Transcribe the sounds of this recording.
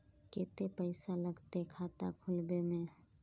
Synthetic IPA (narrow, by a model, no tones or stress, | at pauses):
ket̪epəɪsaləɡt̪ekʰaːt̪a̰kʰʊlbemẽ